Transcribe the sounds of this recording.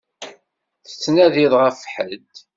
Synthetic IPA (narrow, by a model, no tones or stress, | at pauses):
θə̥t͡sːnæðiðˤʁæfħəd̪